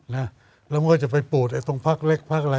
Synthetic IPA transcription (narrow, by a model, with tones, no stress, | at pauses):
na˦˥ | lɛː˦˥˩wmaː˥˩t͡ɕa˨˩pa˧jpuː˨˩t̪̚ʔaː˧˩jt̪o˧ŋpʰa˦˥˩k̚le˦˥˩k̚pʰaː˦˥˩k̚la˧